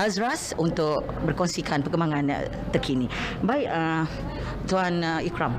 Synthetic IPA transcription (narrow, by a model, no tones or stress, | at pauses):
azɾasunt̪ʊkʔ | bərkɔnsikʰanpərɡəmbaŋãn̰ | t̪ərkʰini | baiʔa | t̪uanikɾam